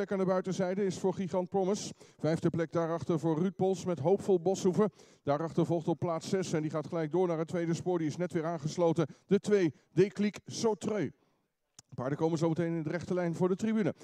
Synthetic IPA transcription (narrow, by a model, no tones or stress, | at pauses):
ɛkaːndəbœɥtəzɛjdəɪsfʊːɹχiχɑnt̚prɔməsv̥ɛjfdəplɛk̚daːɾɑχtəɹvʊːɹryt̚bɔlˠsmɛtɦowpfɔlˠbɔsuvə | d̥aːɾɑχtəɹvɔlˠχtɔpːlaːtsɛsɛndiχaːtχəlɛjɡ̚dʊːɹnaːɹɦətʋejdəspʊːɹdiɪsnɛtʋɪːɹaːnχəslowtənd̥ətʋej | dejkliksowtrøɥ | paːɹdəkowmənzowmətejnɪndərɛχtəlɛjnvʊːɹdətribynə